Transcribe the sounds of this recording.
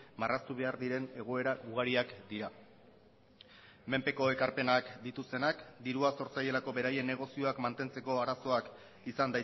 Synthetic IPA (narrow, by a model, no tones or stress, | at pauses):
marast̪uβe̞aɾd̪iɾe̞neɣoeɾauɣaɾiakd̪iɾa | me̞mpe̞ko̞e̞kaɾpe̞nakd̪it̪ust̪e̞nakd̪iɾuaso̞ɾt͡saje̞lako̞βe̞ɾaje̞nːe̞ɣ̞o̞sio̞akmant̪e̞nt͡se̞ko̞aɾaso̞ak | isand̪a